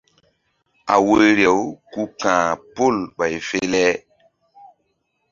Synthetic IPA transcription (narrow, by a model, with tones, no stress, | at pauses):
a̰˨wo˦ɾje˨wku˦kãː˨po˦˨lɓa˨jfe˦lɛ˦